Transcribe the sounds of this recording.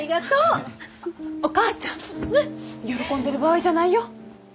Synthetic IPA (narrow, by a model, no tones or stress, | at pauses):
iɡat̪oː | okaːt͡ɕã | jo̞ɾo̞kõ̞nd̪e̞ɾɯ̟baβaid͡ʑanaijo̞